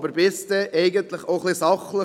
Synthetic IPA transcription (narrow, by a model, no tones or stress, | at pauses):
bəɾbɪstɛʔɛɪɡənt̪ləχoʊχlisɑχlə